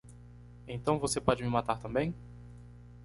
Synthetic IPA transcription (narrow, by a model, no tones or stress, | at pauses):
ẽt̪ɐ̃w̃vosepɔd͡ʒɪmɪmat̪aɾt̪ɐ̃mbẽj̃